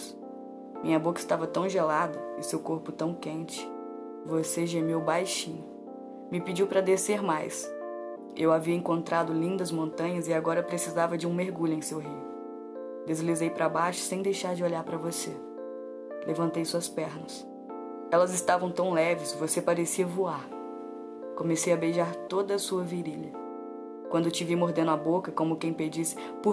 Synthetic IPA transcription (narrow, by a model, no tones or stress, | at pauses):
s | mĩɲɐbokɐɪst̪avɐt̪ɐ̃w̃ʒelad̪ɐɪsewkoɾpʊt̪ɐ̃w̃kẽnt͡ʃɪ̥ | voseʒemewbajʃĩɲʊ | mɪpid͡ʒiwpɾɐd̪eseɾmajs | ewaviɐẽŋkõnt̪ɾʔad̪ʊlĩnd̪ɐzmõnt̪ɐ̃ɲɐzɪaɡɔɾɐpɾesizavɐd͡ʒɪũmeɾɡuʎʊẽj̃sewɦiʊ | d̪ezlizejpɾabajʃʊ̥sẽj̃d̪ejʃaɾd͡ʒɪoʎaɾpɾɐvose | levɐ̃nt̪ejsuɐspɛɾnɐs | ɛlɐzɪst̪avɐ̃w̃t̪ɐ̃w̃lɛvɪsvosepaɾesiɐvuaɾ | kõmesejɐbejʒaɾt̪od̪ɐːsuɐviɾiʎɐ | kwɐ̃nd̪ʊt͡ʃivimoɾd̪̃nd̪ʊabokɐkõmʊkẽj̃ped͡ʒisɪ̥ | pʊ